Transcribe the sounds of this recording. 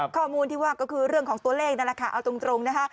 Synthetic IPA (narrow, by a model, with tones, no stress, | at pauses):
kʰɔː˥˩muː˧nt̪ʰiː˥˩waː˥˩kɔː˥˩kʰɯː˧ɾɯ˥˩əŋkʰɔː˩˦ŋt̪u˧ɐleː˥˩k̚na˥˩ɾa˧kʰaː˧˩ʔa˧wt̪o˧ŋt̪ɾo˧ŋna˦˥kʰa˦˥ʔ